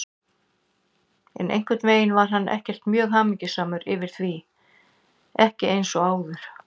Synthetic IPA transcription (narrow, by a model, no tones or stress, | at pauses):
ɛ̰nʔḛjŋ̥kvɪt̪veːjɪnvaɾ̥ɦanːʔɛ̰hcɛr̥t̪mjœːɣɦaːmɪcɪsaːmʏɾɪvɪɾ̥θvi | ɛhcɪʔejnsɔaːwðʏɾ̥